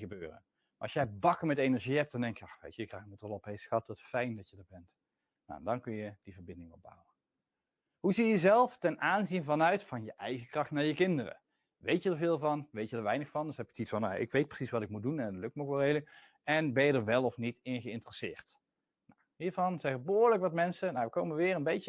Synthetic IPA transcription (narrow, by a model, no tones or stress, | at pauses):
əbøːrə̰n | maɑsjɛjbɑkəɹmɛtejnəɹʒiɦɛp̚td̥ɑndɛŋkjəɑxʋḛjtəjəkrajxmətɔlˠɔpɦejsxɑtɔtfɛjndɑtjədəɹbɛnt | na̰ɛndɑnkɵnjəd̥ivəɹbɪndɪŋɔ̰ba̰wə | ɦuzijəzɛlˠftɛnʔaːnzinvɑnœɥtfɑnjəʔɛjɣəkrɑχtnaːɹjəkɪndərə̰ | ʋejtjədəɹvɪːlˠvɑnʋejtjədəɹʋɛjnəxfɑndsɦɛpɪkətitfɑnːa̰ʔɪ̰kʋejt̚prə̥sisʋɑtɪkmudunɛnətlɵk̚tməɔkʋɛlˠɦeːlə | ɛnbɛjədəɹʋɛlˠɔfnitɪnɣəɪntərəsɪ̰ːɹt | nawɦiːɹvɑnzɛxəbəɦoːɹləkʋɑtmɛnsənaʋəkowməʋɪːɹənbejtə